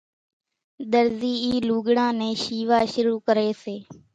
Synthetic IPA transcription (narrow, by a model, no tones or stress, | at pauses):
ɗ̪əɾziːiːluːɠɽãːnẽːʃiːʋaːʃʊɾuːkəɾeːseː